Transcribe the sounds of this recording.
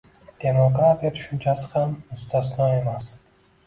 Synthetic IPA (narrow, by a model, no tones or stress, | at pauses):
d̪̥e̞moɡɾat̪ʰijat̪ʰʊ̥ʃʊnt͡ʃʰasɪ̥hamːʊst̪ʰas̬nɒe̞mas